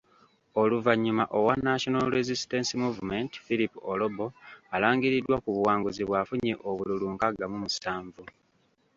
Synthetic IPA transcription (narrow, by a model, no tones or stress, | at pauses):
o̞luvaɲːumaʔo̞wanːaʃonalɾezistensimuvume̞ntfilipolobo̞alaːŋɡiɾidːwakuβuwaːŋɡuziβwafuɲeʔoβululuŋkaɡamumusaːɱvu